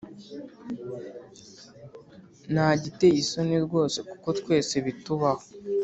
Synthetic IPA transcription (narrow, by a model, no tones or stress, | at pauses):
naːɟite̞iso̞niɾɡwo̞ːse̞ku̥ko̞tkwe̞ːseβituβaho